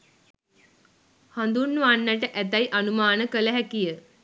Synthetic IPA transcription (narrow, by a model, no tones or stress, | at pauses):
hand̪unːuʋanːəʈ̬əʔæt̪̬ajʔanumaːnəkələɦækijə